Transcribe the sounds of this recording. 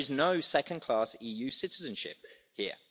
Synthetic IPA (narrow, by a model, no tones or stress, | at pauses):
ɪznəʊsɛkə̃nkʰl̥ɑˑsiːjʉːsɪtɪzə̃nʃɪ̰p̚ | hiə